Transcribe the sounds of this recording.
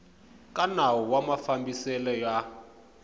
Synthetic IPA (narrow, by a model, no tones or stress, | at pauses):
kʼanawɔwamafambisɛlɔja